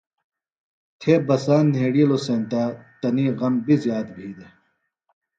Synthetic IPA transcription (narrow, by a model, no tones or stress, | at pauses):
t̪ʰeːbɐsaːnːeːɽiloːsẽːnt̪aːt̪ɐniːɣɐmbizjaːt̪̚bʱiːd̪e